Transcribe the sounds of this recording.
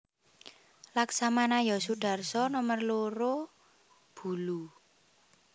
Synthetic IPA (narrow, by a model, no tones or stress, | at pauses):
laksamanajɔsuɖ̥a̤rsɔnɔmərloɾo | b̥ṳlu